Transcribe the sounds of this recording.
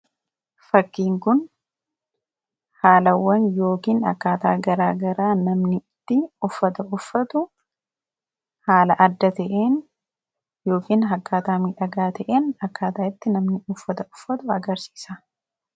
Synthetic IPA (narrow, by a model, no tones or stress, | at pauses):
fɐkːiːŋkʊn | haːlɐwːɐnjo̞ːkiːnɐ̰kːaːt̪aːɡɐɾaːɡɐɾaːnɐmnɪt̪ːɪʊfːɐt̪ɐʊfːɐt̪ʊ | haːlɐʔɐd̪ːɐt̪ɐʔeːn | jo̞ːkiːnɦɐkːaːt̪aːmiːᶑɐɡaːt̪ʰɐʔeːnɐkːaːt̪aːɪt̪ːɪnɐmnɪʊfːɐt̪ɐʊfːɐt̪ʊɐɡɐɾsi̥ːsɐ